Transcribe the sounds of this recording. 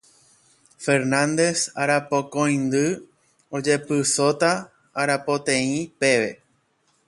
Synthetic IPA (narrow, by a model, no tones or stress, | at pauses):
fe̞ɾnãnd̪e̞saɾapokõj̃nd̪ɨ | od͡ʒe̞pɨso̞t̪aː | ɾapo̞t̪ẽĩpe̞ʋe̞